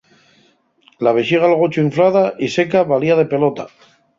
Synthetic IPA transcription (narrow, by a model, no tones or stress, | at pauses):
laβeʃiɣ̞alɣ̞ot͡ʃoiɱflað̞aʔise̞kaβaliað̞e̞pe̞lot̪a